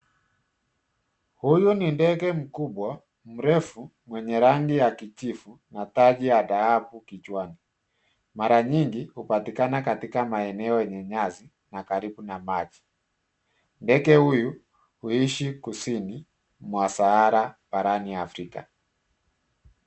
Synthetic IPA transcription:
hujunindɛɡɛm̩kuɓwa | m̩ɾɛfumwɛɲɛɾaŋɡijakit͡ʃifunataʄijadahapukit͡ʃwani | maɾaɲiŋɡihupatikanakatikamaɛnɛɔɛɲɛɲazi | nakaɾiɓunamad͡ʒi | ndɛɡɛhuju | huiʃikusini | mwasahaɾabaɾaniafɾika̰

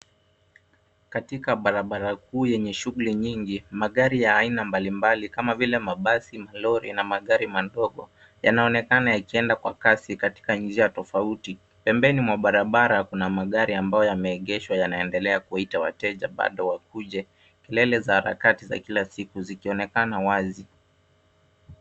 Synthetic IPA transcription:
katikaɓaɾaɓaɾakuːjɛɲɛʃuɣuliɲiŋɡimaɠaɾijaːinambalimbalikamavilɛmaɓasimalɔɾḭnamaɠaɾimadɔɠɔ | ja̰naɔnɛkanajakiɛndakwakasikati̥kand͡ʒiatɔfauti | pɛmbɛnimwaɓaɾaɓaɾakunamaɠaɾiambajɔjamɛːɠɛʃwajanaɛndɛlɛakuaitawa̰tɛʄaɓa̰ɗɔwakuʄɛ | kɛlɛlɛzahaɾa̰katiza̰kilasikuzikiɔnɛkanawazi

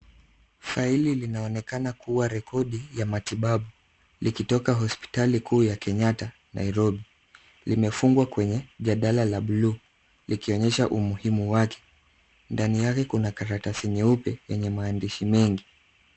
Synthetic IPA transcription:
faililinaɔnɛkanakuwaɾɛkɔɗijamatiɓaɓu | likitɔkaɦɔspi̥talikuːjakɛɲata | nʔa̰iɾɔɓi | limɛfuŋɡwakwɛɲɛʄaɗalalaɓuluː | likiɔɲɛʃaʔumuhimuwakʰɛ̥ | ndanijakɛkunakaɾatasiniupɛjɛɲɛmaːndiʃimɛŋɡi

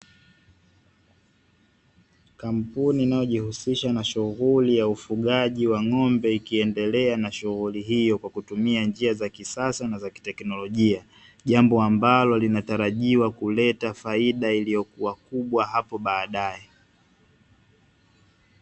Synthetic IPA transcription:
kam̩puniːnajɔʄihusiʃanaʃuɣulijaufuɠaʄiwaŋɔmbɛikiɛndɛlɛanaʃuɣuliɦijɔkwakutumiand͡ʒiazakisasanazaki̥tɛknɔlɔʄia | ʄambɔambalɔlinataɾaʄiwakulɛtafaiɗailijɔkuwakuɓwaɦapɔɓaːɗaɛ

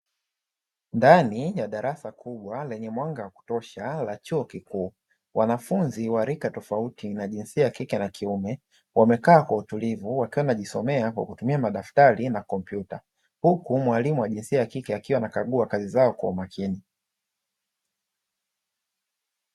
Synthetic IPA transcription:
ndanijaɗaɾʔasakʰuɓwalɛɲɛmwaŋɡawaku̥tɔʃalat͡ʃuɔkikuː | wanafunziwaɾikatɔfautinaʄinsiajakikɛnakʰiumɛ | wamɛkaːkwautulivuwakiwanaʄisɔmɛakwa̰kutumiamaɗaftaɾinakɔmpjuta | hukumwalimuwaʄinsiajakikɛakiwanakaɠuakazizaɔkwaumakʰini

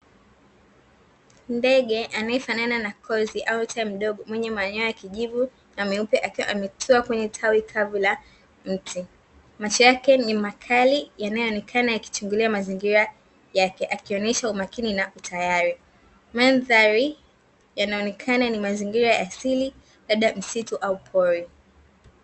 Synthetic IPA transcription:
ndɛɠɛʔanajɛfanananakʰɔziʔautʰaim̩ɗɔɠɔmwɛɲɛmaːɲaajakiʄivu | namɛupɛʔakiwaʔamɛtʰuakwɛɲɛtʰawikʰavula | m̩tʰi | mat͡ʃɔjakɛnimakʰalijanajɔɔnɛkʰanajaki̥t͡ʃuŋɡuliamaziŋɡiɾa | jakɛʔakiɔnɛʃaumakininautʰajaɾi | manðaɾi | janaɔnɛkʰananimaziŋɡiɾajaːsili | labɓɗam̩situʔaupʰɔɾi

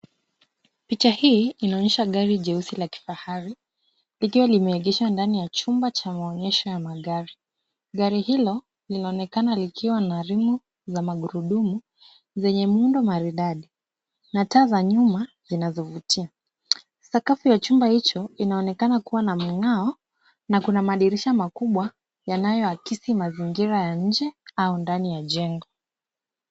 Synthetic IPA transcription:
pit͡ʃahiːinaɔɲɛʃaɡaɾiʄɛusilaki̥fahaɾi | likiwalimɛɛɠɛʃwandanijat͡ʃumbat͡ʃamaɔɲɛʃɔjamaɠaɾi | ɠaɾihilɔ | linaɔnɛkanalikʰiwanaɾimu | zamaɠuɾuɗumu | zɛɲɛmundɔmaɾiɗaɗi | nataːzaɲuma | zinazɔvutia | sakafujat͡ʃumbahit͡ʃɔinaɔnɛkanakuwanam̩ŋaɔ | nakunamaɗiɾiʃamakuɓwa | janajɔakisimaziŋɡiɾajaɲ̩d͡ʒɛaundanijaʄɛŋɡɔ

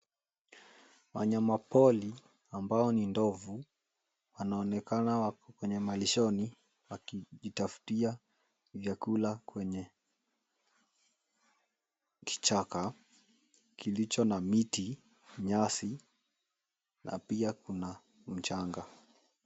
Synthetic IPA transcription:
wa̰ɲamapɔli | ambaɔnindɔvu | wanaɔnɛkanawakɔkwɛɲɛmaliʃɔni | wakiʄitafu̥tia | vjakulakwɛɲɛ | ki̥t͡ʃaka | kilit͡ʃɔnamiti | ɲasi | nʔa̰piakuna | m̩t͡ʃaŋɡa

